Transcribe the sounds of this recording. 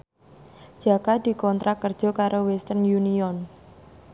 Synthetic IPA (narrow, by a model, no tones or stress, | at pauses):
d͡ʒ̥a̤kad̪̥i̤kɔnt̪ɾakərd̥ʒ̥ɔ̤kaɾʔowɛst̪ərnjuniɔn